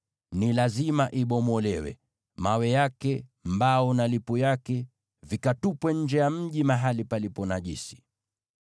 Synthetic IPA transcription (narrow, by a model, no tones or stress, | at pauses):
nilazimaʔiɓɔmɔlɛwɛ̰ | mawɛjakɛmbaunalipujakɛ | vikatupwɛɲ̩d͡ʒɛjam̩ʄimaɦalipalipɔnaʄisi̥